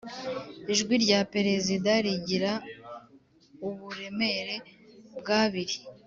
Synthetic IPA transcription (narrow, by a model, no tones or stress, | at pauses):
iʒɡwiɾɟape̞ɾe̞zidaɾiɟiɾa | uβuɾe̞me̞ɾe̞bɡaːβiɾi